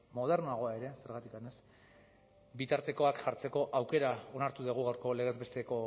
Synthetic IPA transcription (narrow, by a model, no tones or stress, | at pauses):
mo̞ð̞e̞rnoaɣ̞o̞ae̞ɾe̞se̞ɾɣat̪ikane̞s | bit̪aɾt̪e̞ko̞akʝaɾt͡se̞ko̞ʔawke̞ɾao̞naɾt̪uðeɣ̞uɣawɾko̞le̞ɣ̞e̞zβe̞st̪eko̞